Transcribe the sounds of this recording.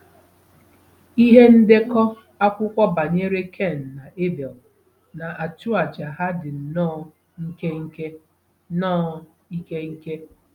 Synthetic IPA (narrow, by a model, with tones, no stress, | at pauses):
i˦ɦe˦n̩˦de˦kɔ˦ | a˦kʷʊ˦kʷɔ˦ba˨ɲe˦ɾe˦kʰe˦˨n̩˨na˨ʔe˦bɛ˨l | na˨ʔa˨tʊ˦a˨d͡ʒa˨ɦa˦dɪ˨n̩˨nɔː˦˨ | ŋ̩˦ke˦ŋ̩˦ke˦ | nɔ˦˨ | i˦ke˦ŋ̩˦ke˦